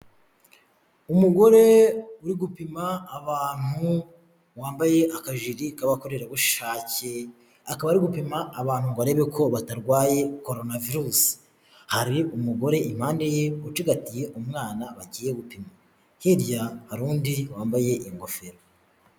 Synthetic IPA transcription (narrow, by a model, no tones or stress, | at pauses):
umuɡo̞ɾe̞uɾiɡupimaːβaːn̥hu | waːmbaje̞ʔakaʒiɾikaβako̞ɾeɾaβuʃʃaːce | akaβaɾiɡupimaːβaːn̥huβaɾe̞βe̞kʰo̞βataɾɡwaːje̞ko̞ɾonaviɾusi̥ | haɾiumuɡo̞ɾe̞ʔim̥haːndejeut͡ʃiɡatije̞ʔumŋaːnaβaɟiːje̞ɡupima | hiɾjahaɾuːndiwaːmbaje̞ʔiŋɡo̞fe̞ɾo